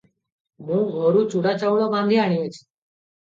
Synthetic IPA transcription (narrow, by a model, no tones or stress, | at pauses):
mũːɡʱoɾũt͡ɕuɽat͡ɕawɭɔbãnd̪ʱiaɽ̃iʋet͡ɕʰi̥